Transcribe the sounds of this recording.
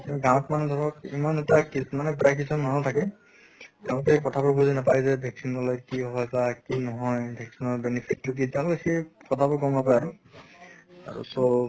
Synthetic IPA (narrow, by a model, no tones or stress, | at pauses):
mɔɡãw̃ɔtmanɛdʱɔɹɔkimanɛtakismanɛpɹajk̬isɔnmanɔ̃tʰakɛ | tɛʊ̃lʊkɛkɔtʰabɔɹbuzinapaɹzɛbʱɛksinɔlɔjkiɔɦɔjkakinɔɦɔjbʱɛksinɔɹbenipʰitːuk̬itɛ̃lkekekɔtʰabɔɹkɔmbapajaɹu | a̰ɹṵsɔ